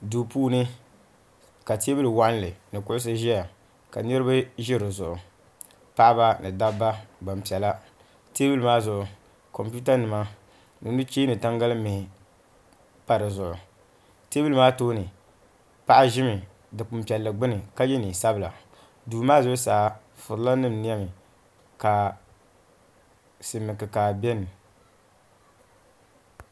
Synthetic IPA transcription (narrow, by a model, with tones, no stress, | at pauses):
duː˨puː˦nɨ˦ | ka˨te˦bɨ˦lɨ˨wa˦n˦lɨ˨nɨ˨kʊ˦ʊ˦s̬ɨ˦ʒɛ˦ja˨ | ka̰˨nɨ˦ɾɨ˦ba˦ʒɪ˦ɾɨ˨zʊ˨ʔʊ˨ | pa˦ʔa˦ba˦nɨ˨da˦bːa˦ɡ͡ba˨m˨pi˨ɛ˨la˦ | te˦bɨ˦lɨ˨maː˦zʊ˨ʔʊ˨ | ko˨mpu˦ta˦nɨ˨ma˦ | nɨ˨nɨ˦t͡ʃe˦nɨ˨ta˦ŋɡa˦lɨ˦me˨ | pa˨ɾɨ˨zʊ˨ʔʊ˨ | teː˦bu˦lɨ˦maː˦toː˦nɨ˨ | pa˦ʔa˦ʒɪ˦mɪ˨ | dɨ˨k͡pʊ˨m˨pi˨ɛ˨lːɨ˨ɡ͡bɪ˦nɨ˨ka˦jɛ˦ni˨sa˦bɨ˨la̰˨ | duː˨˦maː˦zʊ˦ʊ˦saː˨˦ | fʊ˨ɾla˦nɨ˦m˨ni˦a˦mɪ˨ | ka˨ | sɨ˨mɨ˨kɨ˨ka˨bɛ˦nɨ˨